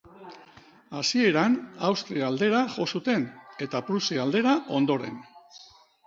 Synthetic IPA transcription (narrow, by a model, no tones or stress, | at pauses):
asie̞ɾanawst̪ɾiald̪e̞ɾaʝo̞sut̪e̞ne̞t̪apɾusiald̪e̞ɾaʔo̞nd̪o̞ɾe̞̰n